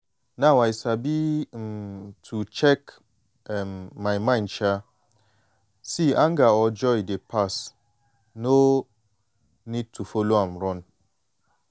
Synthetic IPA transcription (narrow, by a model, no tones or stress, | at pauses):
nawajsabim̩tʰut͡ʃɛk | mːajmãɪ̃nt͡ʃa | siʔãŋɡaɔd͡ʒɔjdepʰas | no | nid̚tʰufoloãmɾɔn